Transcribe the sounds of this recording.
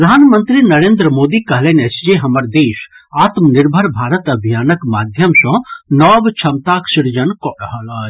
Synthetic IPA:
əd̪ʱaːnmənt̪ɾinəɾeːnd̪ɾəmod̪ikəɦlenɛt͡ʃʰd͡ʒeɦəməɾd̪eːs | aːt̪mniɾbʱəɾbʱaːɾət̪əbʱijaːnəkmad̪ʱjəmsɔ̃nɔbt͡ʃʰəmt̪aksiɾd͡ʒənkɔɽəɦəlaː

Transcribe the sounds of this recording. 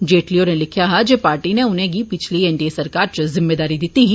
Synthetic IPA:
d͡ʒeːʈlionelɪkʰjaɦad͡ʒeːpaːɾʈineʊnẽɡiːpɪt͡ʃʰliɛːɳɖieːsəɾkaːɾt͡ʃəzɪmːeːd̪aːɾid̪ɪt̪ːiɦi

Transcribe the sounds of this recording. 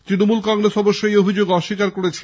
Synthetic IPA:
t̪ɾinomulkɔŋɾesɔboʃːojobʱid͡ʑoɡɔʃikaɾkoɾet͡ɕʰe

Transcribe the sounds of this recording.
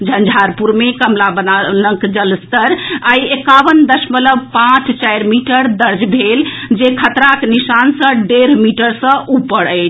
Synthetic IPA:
d͡ʒʱənd͡ʒʱaɾpuɾmekəmlabənanəŋkd͡ʒəlst̪əɾajekaʋənd̪əsmələbpãt͡ʃt͡ʃajɾmiʈəɾd̪əɾd͡ʒbʱeld͡ʒekʰət̪ɾaknisansə̃ɖeɾmiʈəɾsə̃ʔupːəɽəɪt͡ʃʰ

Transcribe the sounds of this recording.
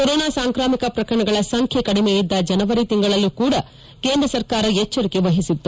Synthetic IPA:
koɾoːnaːsaːŋkɾaːmikɐpɾɐkɐɾɐɳɐɡɐɭɐsɐŋkʰjekɐɽimejid̪ːɐd͡ʒɐnɐʋɐɾit̪iŋɡɐɭɐlːukuːɽɐ | keːnd̪ɾɐsɐɾkaːɾɐet͡ʃːɐɾikeʋɐɦisit̪ːu

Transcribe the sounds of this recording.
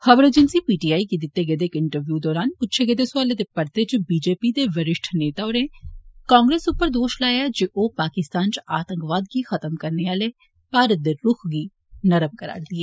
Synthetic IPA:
həbəɾeːd͡ʒənsiːpiːʈiːaːikid̪ɪt̪ːeːɡed̪eːkɪɳʈəɾʋjuːd̪ɔːɾaːnʊtːʃʰeɡed̪eːsaːleːd̪eːpəɾt̪eːt͡ʃbiːd͡ʒeːpiːd̪eːʋəɾɪʃʈʰneːt̪aːoneːkãːŋɡɾeːsʊpːəɾd̪oːʃlaːjaːd͡ʒeʔoːpaːkɪst̪aːnt͡ʃaːt̪əŋkʋaːd̪ɡiːxət̪əmkəɾneːaːleː | paːɾət̪̚d̪eːɾʊkʰɡiː | nəɾəb̚kəɾa̰ːɾd̪iɛː

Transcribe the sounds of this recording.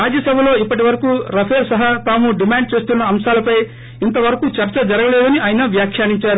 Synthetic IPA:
aːd͡ʒɐsɐbʱɐlo̞ːipːɐʈ̬iʋɐɾɐkuːɾɐpʰeːɾsɐɦɐt̪aːmuɖimaːɳɖ̚t͡ʃe̞ːst̪unːɐːmʃaːlɐpɐj | int̪ɐʋɐɾɐkut͡ʃɐɾt͡ʃɐd͡ʒɐɾɐɡɐleːd̪ɐniaːjnɐʋjaːkʰjaːniɲt͡ʃaːɾu

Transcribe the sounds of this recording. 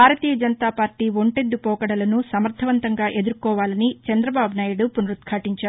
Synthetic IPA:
bʱaːɾɐt̪iːjɐd͡ʒɐnɐt̪aːpaːɾʈiːʋoɳʈed̪ːupɔːkɐɽɐlɐnusɐmɐɾd̪ʱɐʋɐnt̪ɐŋɡaːʔe̞d̪uɾkɔːʋaːlɐnit͡ʃɐnd̪ɾɐbaːbʱunaːjuɽupunɾut̪kʰaːʈiɲt͡ʃaː

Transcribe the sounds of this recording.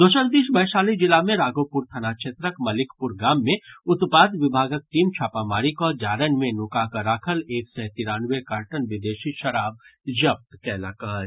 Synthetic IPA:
d̪oːʃəld̪iːʃbɐɦʃaːlid͡ʒɪlamẽɾaːɡoːpʊɾt̪ʰɐnaːʃʰeːt̪ɾəkmɐlɪkʰpʊɾɡaːmːẽʊt̪paːd̪ʋɪbʱaːɡək̚ʈiːmt͡ʃʰaːpamaːɾikɔːd͡ʒaːɾənmẽnʊkakəɾaːkʰəleːksɛt̪iːɾaːnʋekaːɾʈənʋɪd̪eːʃiʃɐɾaːb̚d͡ʒɐp̚t̪kɛːlaːkaːɾ

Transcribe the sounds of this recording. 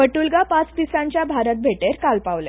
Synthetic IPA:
əʈulɡapãt͡sd̪isãɲt͡ɕjabʱaɾət̪̚bʱeʈeɾkalpaʋlḛ

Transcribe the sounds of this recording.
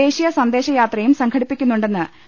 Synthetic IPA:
e̞ːɕijɐsɐnd̪e̞ːɕɐjaːt̪rɐjumsɐŋkʰɐɽipːikʲːunːuɳɖe̞nːɨ

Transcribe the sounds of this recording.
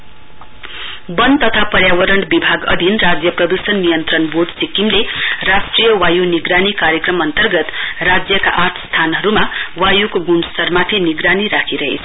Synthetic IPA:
bʌnt̪ʌt̪ʰapʌɾjawʌɾʌɳbibʱaɡʌ̰d̪ʱinrad͡zjʌprʌd̪usʌnːijʌnt̪rʌnboɖsikimlerasʈrijʌwajuniɡɾanikaɾjekrʌmʌnt̪ʌrɡʌt̪rad͡zjʌka̰ʔat̪ʰst̪ʰanɦʌɾumawajukoɡunsʌrmat̪ʰiniɡɾaniɾakʰiɾʌɦḛt͡sʰʌ

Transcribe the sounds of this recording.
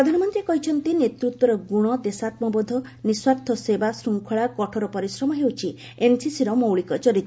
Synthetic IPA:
pɾɔd̪ʱanɔmɔnt̪ɾiekɔɦit͡ʃʰɔnt̪inet̪ɾut̪wɔɾɔɡuɽ̃ɔd̪esat̪mɔbɔd̪ʱɔniswakt̪ʰɔsebasɾuŋkʰɔɭakɔʈʰɔɾɔpɔɾisɾɔmɔɦewt͡ʃʰi | ensisiɾɔmowɭikɔt͡ʃɔɾit̪ː

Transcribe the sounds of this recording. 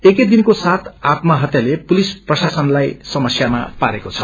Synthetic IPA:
eked̪inkosat̪ʰat̪mʌɦʌt̪jalepulisprʌsasʌnlajsʌmʌsjama̰paɾekot͡sʰʌ̥

